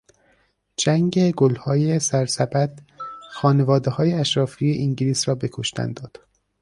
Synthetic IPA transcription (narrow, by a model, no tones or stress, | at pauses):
d͡ʒæŋɟeɡolhɒːjesæɾsæbæd̪̥xɒːne̞vɒːd̪ehɒːjeæʃɾɒːfiːjeʔiŋɟiliːsɾɒːbe̞kʰoʃt̪æ̰nd̪ɒːd̪̥